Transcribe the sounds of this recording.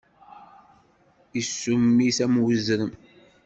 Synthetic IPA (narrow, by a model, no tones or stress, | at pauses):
isːumːisæmwəzɾəm